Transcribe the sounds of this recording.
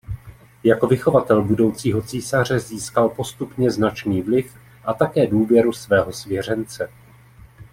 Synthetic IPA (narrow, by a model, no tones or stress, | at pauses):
jako̞vɪxo̞vat̪ɛlbudo̞wt͡siːɦo̞t͡siːsar̝ɛziːskalpo̞st̪upɲɛznat͡ʃniːvlɪf | ʔat̪akɛːduːvjɛɾusvɛːɦo̞svjɛr̝ɛnt͡sɛ